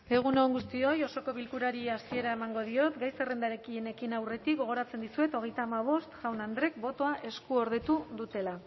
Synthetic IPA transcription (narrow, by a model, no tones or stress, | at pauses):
e̞ɣ̞unoŋɡust̪io̞jo̞so̞ko̞βilkuɾaɾiasie̞ɾae̞maŋɡo̞ð̞io̞t̪ɡajsere̞nd̪aɾekie̞ne̞kinawre̞t̪ik̚ɡo̞ɣ̞o̞ɾat͡se̞nd̪isue̞t̪o̞ɣ̞e̞jt̪aːmaβ̞o̞st̪ʝawnand̪ɾe̞k̚bo̞t̪o̞aʔe̞skuo̞ɾðe̞t̪uðut̪e̞la